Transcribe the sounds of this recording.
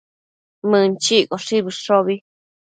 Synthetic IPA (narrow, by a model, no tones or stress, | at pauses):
mɨ̃nt͡ʃikoʂiβiʂoβi